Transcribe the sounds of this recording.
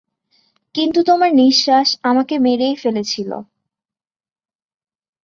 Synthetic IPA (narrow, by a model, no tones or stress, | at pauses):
kint̪ut̪omaɾniʃːaʃamakemeɾejfelet͡ɕʰilo̰